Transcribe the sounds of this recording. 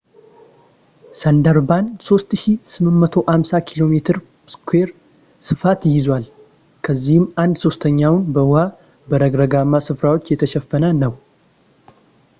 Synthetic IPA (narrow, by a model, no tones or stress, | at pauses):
sənd̪əɾbanso̞st̪ʃisɨmːɨnmət̪ʰo̞ʔamsakʰilo̞met̪ʰɨɾ | skʰwe̞ɾ | sɨfat̪jɪzwal | kʰəzːihɪmʔand̪so̞st̪ʰəɲːawnbəwha | bəɾəɡɾəɡamːasɨfɾawo̞t͡ʃːjɛt̪ʰəʃɛfːənənəw